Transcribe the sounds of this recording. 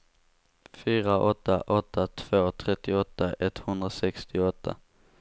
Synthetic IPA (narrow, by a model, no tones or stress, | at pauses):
fyːɾaʔɔt̪ːaʔɔt̪ʰːat̪ʰv̥oːt̪ʰɾɛt̪ːɪɔt̪ːaʔɛt̪hɵnd̪ɾasɛkst̪ɪɔt̪ʰːa̰